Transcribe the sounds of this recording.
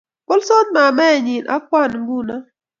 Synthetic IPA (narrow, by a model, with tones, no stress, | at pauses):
ko˦lso˦t̪̚ma˨mɛ˦˨ɲi˨nʔa̰˦kwa˦˨nŋɡu˦na˦